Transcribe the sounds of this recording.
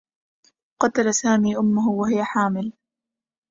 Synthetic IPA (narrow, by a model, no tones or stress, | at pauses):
qɑt̪alasaːmiːʔʊmːʊɦʊwaɦɪjaħaːmɪl